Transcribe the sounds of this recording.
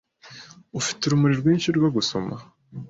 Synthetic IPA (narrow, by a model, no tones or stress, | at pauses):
ufi̥tuɾumuɾiɾɡwiːɲcuɾɡwaɡuso̞̰ma